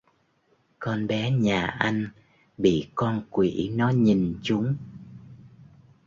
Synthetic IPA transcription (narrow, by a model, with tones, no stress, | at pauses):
kɔ˧nɓɛ˨˦ɲaː˨˩ʔa˧jŋ̟ | ɓḭ˧˨kɔ˧nkwḭ˧˨nɔ˨˦ɲi˨˩nt͡ɕʊ˨˦ŋ͡m